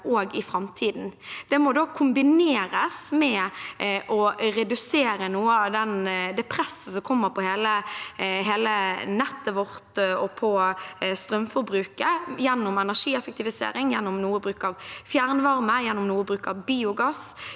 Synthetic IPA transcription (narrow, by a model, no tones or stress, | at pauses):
ʔoːɡɪfɾɑmt̪ʰiːd̪nd̪̥ɛmɔd̪oːkʰʊmbɪneːɾəsmɛ | ʔɔɾɛd̪ʉseːɾənuːəɑʋd̪ɛnd̪ɛpʰɾɛsːəsɔmkʰɔmːəɾpʰɔheːləɦeːlənɛt̪ːəʋɔɾt̪ɔpʰɔst̪ɾœmfɔɾbɾʉːkəjɛnːʊmɛnæʂiːɛfək̚t̪ʰɪʋɪsḛːɾɪŋjɛnːʊmnuːəbɾʉːkɑʋfjæːɾnəʋɑɾməjɛnːʊmnuːəbɾʉːkəɑʋbiːʊɡɑs